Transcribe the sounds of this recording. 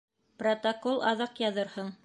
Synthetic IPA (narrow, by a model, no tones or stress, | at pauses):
prot̪ɐkolˠʔɑðɤqjɑðɤɾhɤɴ